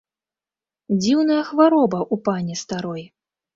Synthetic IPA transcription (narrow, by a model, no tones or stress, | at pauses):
d͡zʲiwnɐjɐxvaɾɔbɐʔupanʲɛst̪aɾɔj